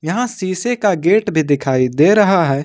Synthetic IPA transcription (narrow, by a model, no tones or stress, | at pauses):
jɐɦãsiːsekaɡeːʈbʱid̪ɪkʰaːid̪eːɾɐɦaɦɛː